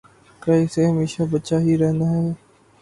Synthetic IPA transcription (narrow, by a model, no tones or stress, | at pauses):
kəiseːɦəmeːʃaːbətːʃaːɦiːɾɛɦnd̪aːɦɛː